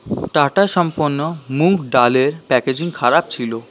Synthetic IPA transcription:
ʈaʈaʃɔmpoɾnːomukɖaleɾpɛked͡ʑiŋkʰaɾap̚t͡ɕʰilo

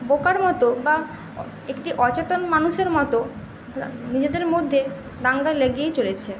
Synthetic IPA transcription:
bokaɾmɔt̪oba | ekʈiʔɔt͡ɕet̪onmanuʃeɾmɔt̪o | nid͡ʑed̪eɾmod̪ʱːe | d̪aŋɡaleɡiet͡ɕolet͡ɕʰe

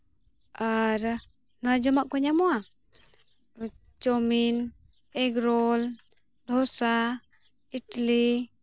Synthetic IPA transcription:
aɾ | nad͡ʒɔmaʔkɔɲamɔa | t͡ʃɔmin | ɛɡɾɔl | d̪ʱɔsa | itli

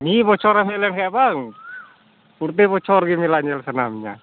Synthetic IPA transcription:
nibɔt͡ʃɔɾamelɛnkajabaŋ | urt̪̬ibɔt͡ʃɔrɡimilaɲɛlsənamɲa̰

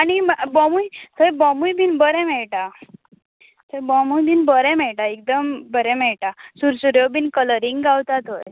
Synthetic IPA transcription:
animbəmujt̪əjbəmujbʱiːnbəɾɛ̃mɛɭʈa | t̪əbəmujbʱiːnbəɾɛ̃mɛɭʈaek̚d̪əmbəɾɛ̃mɛɭʈasuɾsuɾjobinkələɾiŋɡɡawt̪at̪oj

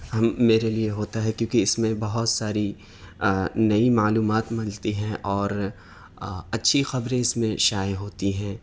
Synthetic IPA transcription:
ɦɐmːeːɾelieɦoːt̪aɦɛkjõːkiɪsmẽbɐɦʊt̪saːɾi | nɐimaːluːmaːt̪mɐ̃lt̪iɦɛ̃ʔɔːɾ | ɐtːʃʰixɐbɾẽɪsmẽʃaːjɦoːt̪iɦɛ̃ː

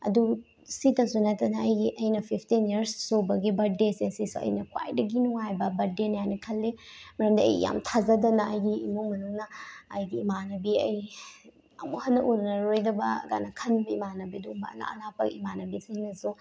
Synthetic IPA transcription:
ɐ̰du | sitɐsunɐtːɐnɐɐjɡiʔɐjnɐpʰipʰtiniɐɾsːobɐɡibɐdesesisuʔɐ̰jnɐkwa̰jdɐɡinuŋajbɐbɐdenɐjajnɐkʰɐlːimɐɾɐmdɐɐ̰j̰ja̰mtʰazɐdɐnɐɐjɡiːmuŋmɐnuŋnɐːjɡiːmanɐbiɐj | ɐ̰muhɐnːɐʔunnɐɾojdɐbɐɡa̰nɐkʰɐnbɐimanɐbiɐduumbɐɐ̰la̰ɐ̰lapɐ̰kḭmanɐbisiŋnɐsu

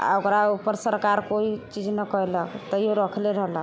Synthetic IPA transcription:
a̰okɾaupːəɾsəɾkaɾkoit͡ʃid͡ʒnəkɔeləkt̪ɔjoɾəkʰleɾəɦlək

